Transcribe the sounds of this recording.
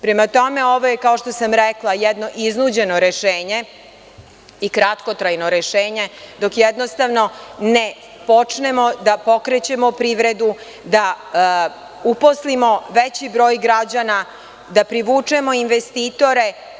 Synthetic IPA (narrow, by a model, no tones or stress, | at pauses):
pɾemat̪o̞me̞o̞ʋojekaoʃt̪o̞samɾɛklˠajɛd̪no̞ʔiznud͡ʑe̞noɾeʃeːɲe̞ | ikɾat̪ko̞t̪ɾajnoɾeʃeːɲe̞d̪o̞kjɛd̪nost̪aʋno̞ne | po̞t͡ʂne̞mo̞d̪apo̞kɾet͡ɕe̞mo̞pɾiʋɾe̞d̪u | d̪a | uposlimo̞ʋet͡ɕibɾo̞ːjɡɾad͡ʑana | d̪apɾiʋuːt͡ʂemo̞inʋest̪it̪o̞ɾe̞